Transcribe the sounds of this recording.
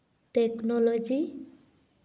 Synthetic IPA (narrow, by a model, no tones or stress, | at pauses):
ʈeknɔlod͡ʒi